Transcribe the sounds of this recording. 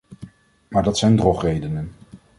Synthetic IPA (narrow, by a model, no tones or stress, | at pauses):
maːɹdɑtsɛjndrɔχrejdənən